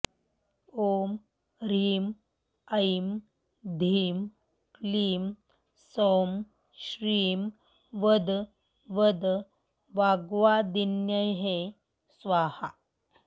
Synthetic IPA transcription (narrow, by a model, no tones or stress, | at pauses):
om | ɾiːm | əjm | d̪ʱiːm | liːm | som | ɕɾiːm | ʋəd̪ | ʋəd̪ | ʋaɡʋad̪injəjɦe | sʋaha